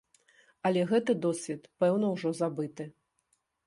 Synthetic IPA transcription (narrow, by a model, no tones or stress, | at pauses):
ɐlʲɛɣɛt̪ɨd̪ɔsʲvʲɛt̪pɛwnɐwʐɔzabɨt̪ɨ